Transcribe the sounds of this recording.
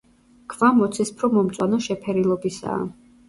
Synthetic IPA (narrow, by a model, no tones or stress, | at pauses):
kʰvamɔt̪sʰɛspʰɾɔmɔmt̪sʼwanɔʃɛpʰɛɾilˠɔbisa̰ː